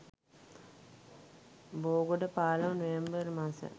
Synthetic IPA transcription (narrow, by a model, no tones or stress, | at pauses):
boːɡoɖəpaːlɐʋnuʋembəɾmãsə̰